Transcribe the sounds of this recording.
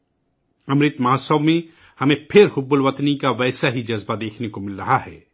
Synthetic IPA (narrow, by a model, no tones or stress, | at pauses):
ɐmɾɪt̪mɐɦsəʋmẽ | hɐmẽpʰɪɾhʊbːʊlʋɐt̪nikaʋɛːsaɦid͡ʒɐzbad̪eːkʰnekomɪlɾɐɦaɦɛː